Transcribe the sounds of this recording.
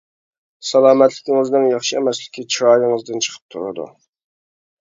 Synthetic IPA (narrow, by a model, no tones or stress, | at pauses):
sɛlˠɑːmɛt̪ʰlɪkʲɪŋɪznɨŋjɑχʃɨɛmɛslɪ̥kʲʰit͡ʃʰɾɑːjɪŋɨzd̪ɨnt͡ʃʰə̥qʰə̥p̚t̪ʰuɾɨ̰d̪ṵ